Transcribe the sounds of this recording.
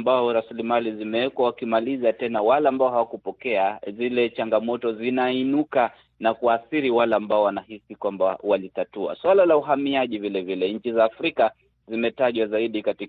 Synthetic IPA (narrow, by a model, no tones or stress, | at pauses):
mbaɔɾasilimalizimɛɛkwawakimalizatɛnawalaːmbaɔhawakupɔkɛazilɛt͡ʃaŋɡamɔtɔzinainuka | nakuaθiɾiwalaːmbaɔwanahisikwamba̰walitatua̰swalalauɦamiaʄivilɛvilɛɲ̩t͡ʃizaːfɾika | zimɛtaʄwazaiɗikati